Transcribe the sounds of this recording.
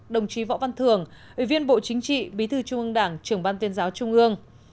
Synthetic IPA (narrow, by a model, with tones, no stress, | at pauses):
ɗə˨˩wŋ͡mt͡ɕi˨˦vɔ̰˧˨va˧nt̪ʰɨ˨˩əŋʔḭ˧˩vi˧ənɓo̰˧˨t͡ɕï˨˦ŋ̟t͡ɕḭ˧˨ɓi˨˦t̪ʰɨ˧˩t͡ɕʊ˧ŋ͡mʔɨ˧əŋɗaː˧˩ŋt͡ɕɨ˧˩əŋɓaː˧nt̪wənzaː˨˦wt͡ɕʊ˧ŋ͡mʔɨ˧əŋ